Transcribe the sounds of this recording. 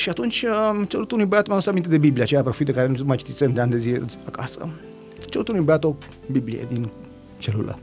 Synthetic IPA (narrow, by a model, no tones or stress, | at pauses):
ʃiat̪unt͡ʃʲət͡ʃelut̪unuibəat̪omɛanost̪ɾamint̪ed̪ebiblieat͡ʃejapɾofit̪d̪ekaɾenumajt͡ʃi̥t̪it̪send̪eand̪e̞zileakasə̰ | t͡ʃelut̪unuibəat̪o | biblḭjḛd̪in | t͡ʃelṵlə̰